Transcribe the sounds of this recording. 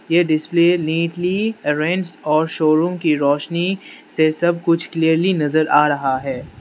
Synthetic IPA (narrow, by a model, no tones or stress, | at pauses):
jeɖɪspleːlĩːʈliɐɾẽːnd͡ʒɖɔːɾʃoːɾũːmkiɾɔːʃnisesɐb̚kʊt͡ʃʰkliːəɾlinɐzəɾʔaːɾɐɦaɦɛː